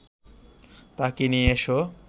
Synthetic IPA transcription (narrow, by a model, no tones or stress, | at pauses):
t̪akinijeʃo